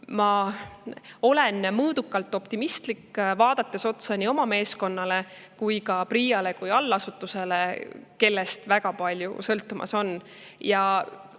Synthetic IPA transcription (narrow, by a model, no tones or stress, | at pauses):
mɑ | o̞le̞nmɤːd̪̥ukːˑɑlt̪ːˑo̞pt̪imist̪likːvɑːd̪̥ɑt̪ːˑe̞so̞t̪sɑnio̞mɑme̞ːsko̞nːɑle̞ | kujkɑprijɑle̞kujɑlːɑsut̪ːˑuse̞leke̞lːe̞st̪væɡ̥ɑpɑlʲjṵsɤlt̪ːˑumʔɑ̰so̞nː | jɑ